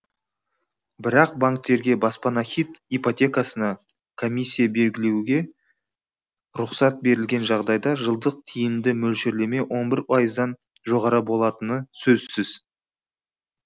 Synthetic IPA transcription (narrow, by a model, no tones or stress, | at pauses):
bɪɾɑq̚baŋk̚t̪ːe̞ɾɡʲe̞bɑspɑnaχʲit̪ipot̪ʲe̞kasənɑ | kʰo̞mijsʲːijabe̞lɡʲɪle̞wɡʲe̞ | ɾʊqsɑt̪̚be̞ɾɪlɡʲe̞nʒɑʁd̪ɑjd̪ɑʒəlˠd̪əq̚t̪ʰijɪmd̪ɪmɵlʃeɾle̞me̞wʔo̞nbɪɾpʰɑjəzd̪ɑn | ʒo̞ʁɑɾəbo̞lˠɑt̪ənəsɵzsɪz